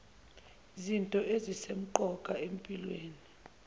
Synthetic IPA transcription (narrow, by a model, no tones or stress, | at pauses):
zintʼɔezisem̩ǃɔkʼaem̩pʼilweːni